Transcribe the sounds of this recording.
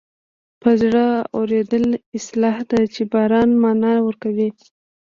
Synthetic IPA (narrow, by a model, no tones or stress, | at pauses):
pəzɽəoɾed̪əlɪslɑhd̪at͡ʃebɑɾɑnmɑnɑwəɾkawi